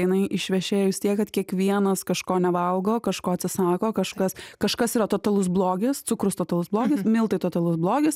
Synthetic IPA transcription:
jɪnɐɪʔɪʃʲʋʲɛʃʲeːjojɪst̪ʲiɛkɐt̪kʲiɛkʋʲiɛnɐskɐʃkoːnʲɛʋɐlˠɡoːkɐʃkoːɐt̪ʲsʲɪsɑːkoːkɐʃkɐskɐʃkɐsiːɾɐt̪oːt̪ɐlˠʊsblˠoːɡʲɪst̪ʊkɾʊst̪oːt̪ɐlˠʊsblˠoːɡʲɪsmʲɪlˠt̪ɐɪt̪oːt̪ɐlˠʊsblˠoːɡʲɪs

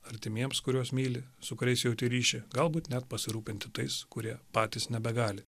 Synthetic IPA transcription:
ɐɾʲt̪ʲɪmʲiɛmskʊɾʲuɔsmʲiːlʲɪsʊkʊɾʲɛɪsjɛʊt̪ʲiɾʲiːʃʲɪɡɐlˠbuːt̪nʲɛt̪pɐsʲɪɾuːpʲɪnʲt̪ʲɪt̪ɐɪskʊɾʲiɛpɑːt̪ʲisnʲɛbʲɛɡɑːlʲɪ

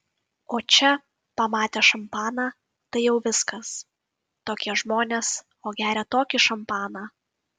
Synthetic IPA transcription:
oːt͡ʃʲɛ | pɐmɑːt̪ʲeːʃɐmpɑːnɑ | t̪ɐɪjɛʊʋʲɪskɐs | t̪oːkʲiɛʒmoːnʲeːs | oːɡʲæːɾʲɛt̪oːkʲɪʃɐmpɑːnɑː

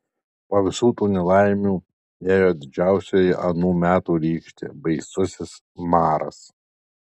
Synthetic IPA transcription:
poːʋʲɪsuːt̪uːnʲɛlˠɑɪmʲuː | eːjoːd̪ʲɪd͡ʒʲæˑʊsʲojɪʔɐnuːmʲæːt̪uːɾʲiːkʃʲt̪ʲḛːbɐɪsʊsʲɪs | mɑːɾɐ̰s

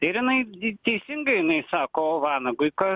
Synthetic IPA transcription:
t̪ɐɪɪɾjɪnɐɪt̪ʲɛɪsʲɪŋɡɐɪɪnɐɪsɑːkoːʋɑnɐɡʊɪkɐ

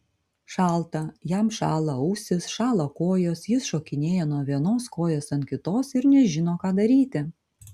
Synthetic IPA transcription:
ʃɑˑlˠt̪ɐjæmʃɑ̰ːlˠɐʊːsʲɪsʃɑːlˠɐkoːjoːsjɪsʃoːkʲɪnʲeːjɛnuɔʋʲiɛnoːskoːjoːsɐnt̪̚ʲkʲɪt̪oːsɪɾnʲɛʒʲɪnoːkɑːd̪ɐɾʲiːt̪ʲɪ

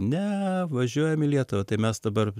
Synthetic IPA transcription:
nʲɛʋɐʒʲuɔjɛmɪlʲiɛt̪ʊʋɐt̪ɐɪmʲɛsd̪ɐbɐr

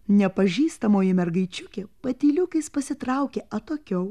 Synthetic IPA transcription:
nʲɛpɐʒʲiːst̪ɐmoːjɪmʲɛɾɡɐɪt͡ʃʲʊkʲepɐt̪ʲiːlʲʊkɐɪspɐsʲɪt̪ɾɐˑʊkʲeːʔɐt̪oːkʲɛʊ

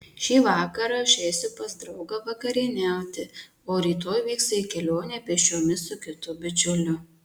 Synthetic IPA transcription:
ʃʲiːʋɑːkɐɾɐʊʃʲɛɪsʲʊpɐzd̪ɾɐʊɡɐʋɐkɐɾʲɪnʲæˑʊt̪ʲɪ | oːɾʲiːt̪oːjʋʲiːkst̪ɐikʲɛlʲoːnʲɛːpʲiɛʃʲoːmʲɪsʊkʲɪt̪ʊbʲɪt͡ʃʲʊlʲʊ

